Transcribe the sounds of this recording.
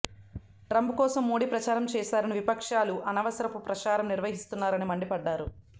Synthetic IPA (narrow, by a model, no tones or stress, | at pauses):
ʈɾɐmbukɔːsɐmːoːɽipɾɐt͡ʃaːɾɐmt͡ʃɛːʃaːɾɐniʋipɐkʂaːluʔɐnɐʋɐsɐɾɐpupɾɐt͡ʃaːɾɐmniɾʋɐɦist̪unːaːɾɐnimɐɳɖipɐɖːaːɾu